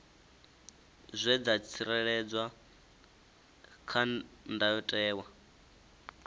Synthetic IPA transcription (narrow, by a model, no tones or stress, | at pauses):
zʷɛd͡zat͡sʰiɾɛɺɛd͡zwa | kʰandajɔtʼɛːwa